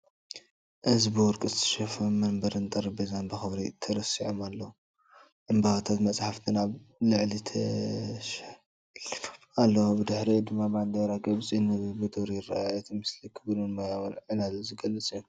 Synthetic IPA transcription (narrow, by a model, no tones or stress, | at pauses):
ʔɨzbɨwɔɾkʼɨzt̪ʰɐ̥ʃɐfɐmɐnbɐɾɨnt̪ʼɐɾibezanbɐxɐβɾit̪ʰɐɾɐsiʕomalːɐwu | ʔɨmbaβat̪ʰat̪mɐt͡sʼħaft̪ʰɨnaβlɨʕlit̪ʰɐʃ | f | alːɐwobɨd̪ɨħɾid̪ɨmːabʕand̪ɐɾaɡɐβt͡sʼinɨbɨd̪oɾjɪrːa̰ajɛt̪ʰimɨslikʰɨβlunmajawnʕɨnazzɨɡɐlːɨt͡sʼjo